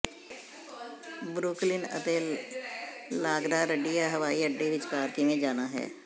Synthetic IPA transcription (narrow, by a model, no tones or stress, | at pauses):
bɾuːklɪnə̰t̪eː | laːɡɾaːɾəɖijaɦəʋaːiəɖːeʋɪt͡ʃbaːɾt̪imẽd͡ʒaːnaɦɛ̰ː